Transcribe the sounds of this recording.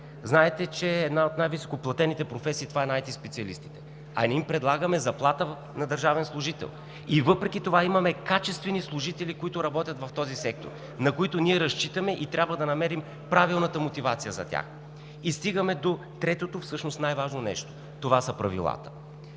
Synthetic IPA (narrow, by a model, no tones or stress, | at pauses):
znaɛt̪ɛt͡ʃɛːd̪naot̪najviso̥koplˠɐt̪ɛnit̪ɛpɾofɛsiːt̪ovaɛnajt̪ispɛt̪siɐlḭst̪i̥t̪ɛ̥ | ɐ̰nʲɛimpɾɛd̪lˠaɡəmɛzɐplˠat̪ə | nɐd̪əɾʒavɛnslˠʊʒit̪ɛ̰lˠ | ivɤpɾɛkit̪ovaimɐmɛkat͡ʃɛst̪vɛnislˠʊʒit̪ɛlikoit̪ʊɾɐbɔt̪ʲjət̪vɐft̪ɔzisɛk̚t̪o̰ɾ | nɐkoit̪ʊnʲiɛɾɐʃt͡ʃit̪əmɛʔit̪ɾʲabvəd̪ɐnɐmɛɾim | pɾavilˠnət̪əmot̪ivat̪sijəzɐ̰t̪ʲa̰x | ist̪iɡəmɛd̪o | t̪ɾɛt̪ot̪ofsɤʃnost̪najvaʒnonɛ̰ʃt̪o̥ | t̪ovasəpɾɐvḭlˠa̰t̪ə̥